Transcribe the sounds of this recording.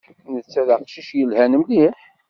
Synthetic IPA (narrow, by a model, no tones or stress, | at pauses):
nət͡sːæləqʃiʃjəlhænəmliħ